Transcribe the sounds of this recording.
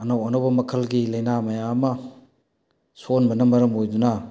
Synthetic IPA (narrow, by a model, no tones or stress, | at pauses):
ɐnawɐnowbɐmɐkʰɐlɡilɐjnamɐjamɐ | sonbɐnɐmɐɾɐmojdunɐ